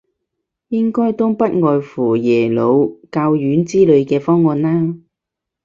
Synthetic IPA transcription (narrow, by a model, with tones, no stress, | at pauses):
jɪ˥ŋkɔː˥jt̪ʊ˥ŋpɐ˥t̚ŋɔː˨jfuː˨˩jɛː˨˩lo˨˧wkaː˧wjyː˨˥nt͡siː˥lɵ˨˧ɥkɛː˧fɔː˥ŋːɔː˨˧nːaː˥